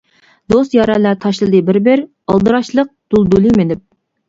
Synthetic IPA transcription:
d̪ost̪jɑɾɑlæt̪ʰɑʃlˠɨd̪ɨbɪɾbɪɾ | ɑlˠd̪ɨɾɑʃlˠəq̚d̪̥ulˠd̪ulˠimenɪp̚

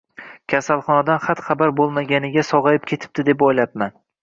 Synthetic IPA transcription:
kʲʰasalˠχɒnad̪anχat̪χabaɾbolˠmaɡʲanɪɡʲasɒʁɑjɪp̚kʲʰe̞t̪ʰɪ̥p̚t̪ɪd̪epojlap̚man

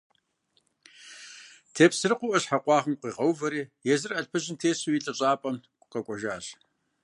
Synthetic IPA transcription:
tʰeːpsɨrɨqʷʊʔɐɕħaqʷɑːʁəmqʷiːʁɐwvɐɾiːjɛzɨrɐɬpʰɨʑɪntʰeːɕuwiɬʼɐɕʼaːpʼɐmkʷʊqɐkʷʼɔʒaːɕ

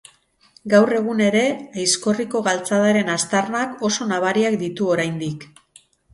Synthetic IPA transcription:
ɡawre̞ɣ̞une̞ɾe̞ajsko̞riko̞ɣalt͡saðaɾe̞nast̪arnako̞so̞naβ̞aɾiakd̪it̪uo̞ɾajnd̪ik

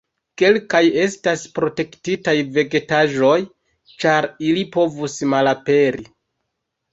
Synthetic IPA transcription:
ke̞lkaje̞staspɾo̞te̞ktitajve̞ɡe̞taʒo̞j | t͡ʃaɾilipo̞vusmalape̞ɾi

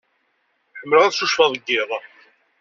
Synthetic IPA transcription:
ħəmːələʁæðʃuʃfɑðˤɡːɪðˤɑ

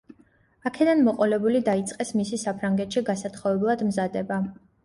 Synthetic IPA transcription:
akʰɛd̪anmɔqʼɔlɛbulid̪ait̪sʼqʼɛsmisisapʰɾaŋɡɛt̪ʃiɡasat̪χɔvɛblˠad̪mzad̪ɛba

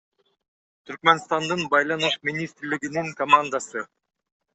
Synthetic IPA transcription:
t̪ʰyɾk̚menst̪ɑnd̪ɯnbɑjlˠɑnɯʃminʲist̪ɾliɡiniŋkɐmand̪asɯ

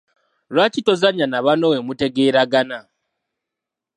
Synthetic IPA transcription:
ɾwat͡ʃitozaɲanaβanowemuteɡeːɾaɡana

